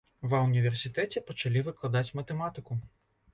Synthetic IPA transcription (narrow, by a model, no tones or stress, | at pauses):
ʋɐʊnʲiʋʲersʲɪt̪ɛtʲipɔt͡ʃɐlʲiʋɪklˠɐd̪ɑtʲmɐt̪emɑt̪ɪkʊ